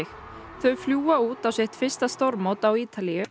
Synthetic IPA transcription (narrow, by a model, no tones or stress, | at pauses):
ɪx | θœɥfljuːauːt̪awseht̪fɪr̥st̪ast̪oɾmowt̪awiːt̪alijʏ